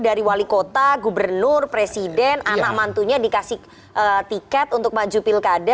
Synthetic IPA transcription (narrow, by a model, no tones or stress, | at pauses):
daɾiwalikot̪aɡubərnʊrpɾesidɛnanamant̪uɲadikasɪh | ʔət̪ikɛt̪unt̪ʊk̚mad͡ʒupɪlkada